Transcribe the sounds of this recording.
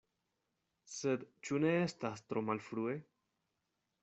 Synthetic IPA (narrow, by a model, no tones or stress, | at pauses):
sed̪t͡ʃune̞estast̪ɾo̞malfɾue̞